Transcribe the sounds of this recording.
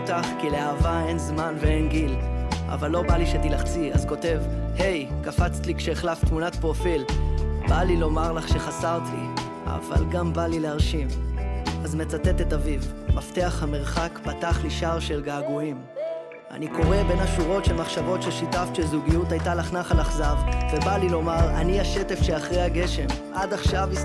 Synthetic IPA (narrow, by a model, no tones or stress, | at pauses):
taχkileaːvae̞nzmanvee̞nɡilʔa̰valːo̞baliʃet̪ilaχt͡sia̰zko̞te̞vhe̞jkafat͡st̪likʃeːχlaft̪munatpʁo̞filbalilo̞maʁlaχʃe̞χasaʁt̪lḭ | a̰va̰lɡambalileaʁʃim | azme̞t͡sate̞te̞tavivmafteaχhame̞ʁχakpataχliʃaʁʃe̞lɡaːɡuim | a̰niko̞ʁe̞be̞naʃuʁo̞tʃelmaχʃavo̞tʃelʃitaftʃezuɡijutajtalaχnaχalaχzavve̞balilo̞maʁa̰niaʃe̞te̞fʃeaχʁejhaɡe̞ʃe̞mʔadaχʃavi